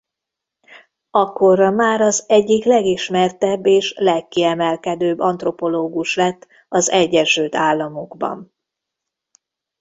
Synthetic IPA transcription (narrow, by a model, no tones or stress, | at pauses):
ɒkːorɒmaːɾɒzɛɟːiklɛɡiʃmɛrt̪ɛbːeːʃlɛkːiɛmɛlkɛd̪øːbːɒnt̪ro̞po̞loːɡuʃlɛt̪ː | ɒzɛɟːɛʃylt̪aːlːɒmoɡbɒ̰n